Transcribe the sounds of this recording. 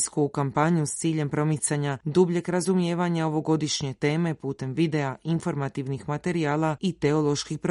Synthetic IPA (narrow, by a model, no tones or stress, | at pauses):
skukampaɲust̪siːʎe̞mpɾo̞mit̪saɲad̪ubʎe̞kɾazumje̞ːʋaɲao̞ʋo̞ɡo̞d̪iʃɲe̞t̪e̞ːme̞puːt̪e̞mʋid̪e̞aʔinfo̞ɾmat̪iʋnixmat̪e̞ɾiaːlˠait̪e̞o̞lˠo̞ʃkixpɾ